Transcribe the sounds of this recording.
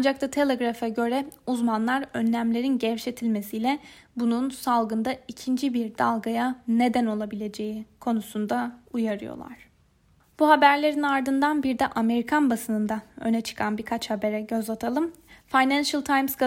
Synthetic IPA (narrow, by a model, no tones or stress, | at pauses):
and͡ʒak̚t̪ʰat̪ʰe̞lʲeɡɾafaɟø̞ɾɛuzmanlˠaɾønlʲæmlʲe̞ɾinɟɛvʃe̞t̪ʰilʲme̞sijlʲɛ | bununsalˠɡɯnd̪aicʰind͡ʒibiɾd̪alˠɡajane̞d̪æno̞lˠabilʲe̞d͡ʒe̞jikʰo̞nusund̪aujaɾɯjo̰lˠa̰ɾ̥ | b̥uhabæɾlʲe̞ɾinaɾd̪ɯnd̪anbiɾd̪ɛʔame̞ɾikʰanbasɯnɯnd̪aø̞̰nɛt͡ʃʰɯ̥kʰanbiɾkʰat͡ʃhabe̞ɾɛɟø̞zat̪ʰalˠɯmfajnænʃalˠt̪ʰajmskʰa